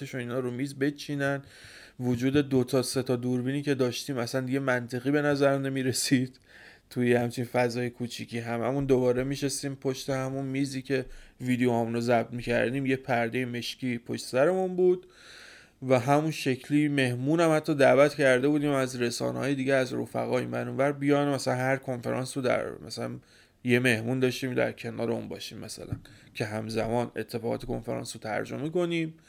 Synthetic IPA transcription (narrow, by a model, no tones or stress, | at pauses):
eʃuniːnhɒːɾomiːzbe̞t͡ʃʰiːnæn | vod͡ʒuːd̪e̞d̪ot̪ʰɒːse̞t̪ʰɒːd̪uɾbiːniːce̞d̪ɒːʃt̪iːmæsænd̪iɡɟe̞mænt̪ʰe̞ɣiːbe̞næzæɾmne̞miːɾe̞siːd̪̥̚ | t̪ʰujehæmt͡ʃʰinfæzɒːjekʰut͡ʃʰicʰiːɦæmæ̰mund̪obɒːɾe̞miːʃesiːmpʰo̞ʃt̪e̞hæmunmiːziːcʰe̞viːd̪ejohæmunɾozæb̚d̪miːcʰæ̰ɾd̪iːmje̞pʰæɾd̪e̞jeme̞ʃciːpʰoʃt̪e̥sæɾe̞munbuːd̪̥ | væɦæmunʃecʰliːme̞hmuːnæmhæt̪ʰːɒːd̪æːvæt̪cʰæɾd̪e̞buːd̪iːmæzɾe̞sɒ̰ːnḛɦɒːje̞d̪iːɟeæzɾo̰fæ̰ɣɒːjiːmbæɾunvæɾbijɒːnmæsælænhæɾkʰo̞nfe̞ɾʔɒ̰ːnsɾod̪æ̰ɾmæsælæ̰n | je̞me̞hmund̪ɒːʃt̪iːmd̪æ̰ɾcʰe̞nɒ̰ːɾeṵnbɒ̰ːʃiːmːʔæsæ̰læncʰe̞ɦæmzæmɒːne̞̰t̪ʰːe̞fɒːɣɒ̰t̪ʰekʰonfeɾɒ̰ːnsot̪ʰæ̰ɾd͡ʒo̰meko̞niːm